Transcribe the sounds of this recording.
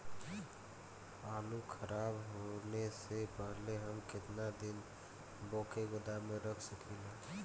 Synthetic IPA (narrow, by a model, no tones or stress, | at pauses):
aːlukʰəɾaːbɦonesepəɦleɦəmkɪt̪nad̪ɪn | boːkeɡod̪amẽɾəkʰsəklilã